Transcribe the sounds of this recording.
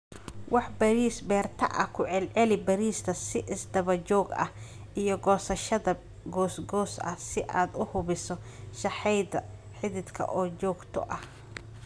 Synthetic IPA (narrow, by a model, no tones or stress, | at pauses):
wʔɑħbɐɾiːsbɛːrt̪ʰɐʔɐhkʰʊʕɛlʕɛlɪbɐɾiːst̪ʰɐsɪʔɪsd̪ɐβɐt͡ʃɔːɡɐ̰h | ʔijɞɡɔːsɐʃɐðɐ | ɡɔːsɡɔːsɐ̰sɪʔaːd̪ʊhʊβɪsɔ | ʃɑħɛjd̪ɐ | ħɪðɪd̪kʰɐ̰ʔɔːt͡ʃɔːɡt̪ʰɔ̰ʔɐh